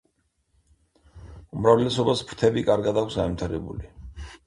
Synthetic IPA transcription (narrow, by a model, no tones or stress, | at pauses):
umɾavlɛsɔbaspʰɾ̥t̪ʰɛbikʼaɾɡad̪akʷʰsɡanvit̪ʰaɾɛbṵli